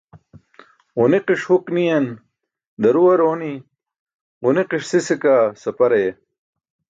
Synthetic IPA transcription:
oneqiʂhuknijɐn | d̪ɐɾuwɐɾoːni | oneqiʂsisikasɐpɐɾɐje

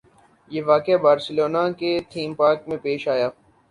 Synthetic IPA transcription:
jeːʋaːkeabaːɾsɪloːnaket̪ʰiːmpaːɾkmẽpeːʃaːjaː

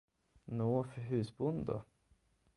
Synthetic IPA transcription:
noːfœɾɦʉ̟ːsbʊnd̪d̪ɔ̰

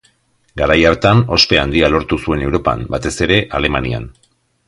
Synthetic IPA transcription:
ɡaɾajaɾt̪ano̞spe̞and̪ialo̞ɾt̪usue̞ne̞wɾo̞pa̰mbat̪e̞se̞ɾe̞ʔale̞mania̰n

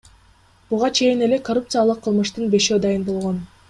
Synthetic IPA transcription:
buʁɑt͡ʃʰe̞jine̞le̞korup̚t̪sɨjalˠɯqʰːɯlˠmɯʃt̪ɯnbe̞ʃø̞ːd̪ɑjɯnbo̞lˠʁo̞n

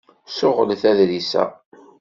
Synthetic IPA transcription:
sʊʁəlθæðɾisæ̰

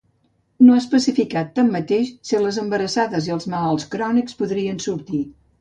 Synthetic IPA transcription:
noaəspəsifikat̪ːamːət̪eʃsiləzəmbəɾəsaðəziəlˠzməlalˠskɾɔnikspuðɾiənsuɾt̪i

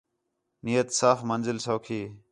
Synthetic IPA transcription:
nijət̪saːfmənzɪlsoːkʰiː

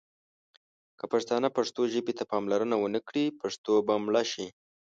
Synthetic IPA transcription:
kəpaʂt̪ɑnapaʂt̪oʒəbet̪apɑmlaɾənawənəkɽipaʂt̪obamɭɑʃi

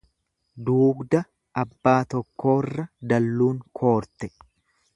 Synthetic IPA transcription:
d̪uːɡd̪ɐ | ɐbːaːt̪ɔkːo̞ːrːɐd̪ɐlːuːŋkʰo̞ːɾt̪ɛ

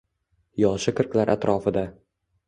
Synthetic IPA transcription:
jɒʃɪqʰɨɾklaɾʔa̰t̪ɾʔɒfɪd̪a

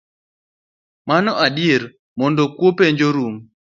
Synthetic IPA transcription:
manɔʔadeɾ | mɔndɔkwopeɲd͡ʒoɾum

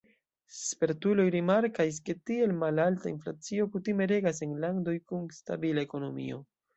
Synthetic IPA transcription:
spe̞ɾtulo̞jɾimaɾkas̬ke̞tie̞lmalaltaḭnflat͡sio̞kutime̞ɾe̞ɡas̬e̞nlando̞jkunsta̰bilae̞ko̞no̞mḭo̞

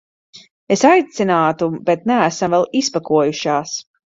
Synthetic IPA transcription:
esajt̪sinaːt̪ubet̪̚næːsamvɛlˠispakuɔjuʃaːs

